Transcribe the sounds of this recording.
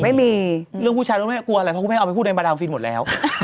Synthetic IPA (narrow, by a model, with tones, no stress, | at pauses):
ma˥˩jmiː˧ɾɯ˥˩ŋpʰu˥˩t͡ɕʰaː˧no˧˥˩ma˥˩ku˧a˧a˨˩pʰɔ˧˥˩a˧pʰːt̚n˧ɓa˧daː˧ŋfi˧nmo˨˩t̪̚lɛ̰ː˦˥w